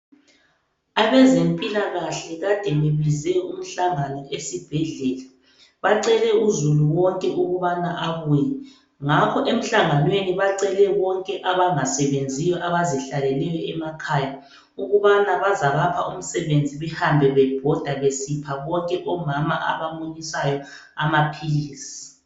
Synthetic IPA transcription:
aβɛzempʼilaɣaɬɛɣad̥ʱɛβeβizɛum̩ɬaŋanɔesib̥ʱɛɮɛːla | βaǀɛlɛuzuluwɔŋkʼɛʔuɣuβanaʔaβujɛ | ŋakʰɔʔem̩ɬaŋanweniβaǀɛlɛβɔŋkʼɛʔaβaŋasɛβend͡zʱijɔʔaβaziɬalɛlɛjɔɛmakʰaːja | uɣuβanaβazaɣapʰaʔum̩sɛβend͡zʱiβɛhambʱɛβɛb̥ʱɔd̥ʱaβesipʰaβɔŋkʼɛʔɔmamaʔa̰βamuɲisajɔ | amapʰiliːsi̥

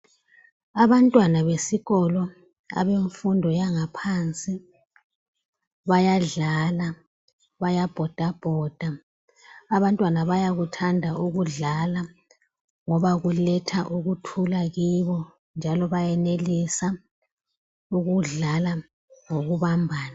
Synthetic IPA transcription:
aβantʼwanaβesiɣɔlɔ | a̰βeɱfundʱɔjaŋapʰant͡sʼi | βajaɮaːla | βajab̥ʱɔd̥ʱab̥ʱɔːd̥ʱaː | βantʼwanaβajaɣutʰandʱaʔuɣuɮala | ŋɔβaɣulɛtʰaʔuɣutʰulaɣiβɔ | nd͡ʒʱalɔβajɛnelisa | uɣuɮala | ŋoɣuβambʱaːna

